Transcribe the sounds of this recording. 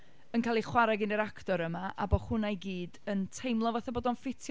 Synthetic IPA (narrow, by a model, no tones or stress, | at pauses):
ənkʰaːlˠiχwaɾaɡɪnəɾaktɔɾəmaʔa̰bɔ̥χʊnajɡiːdəntʰejmlˠɔvaθaboːdɔnfɪtʰj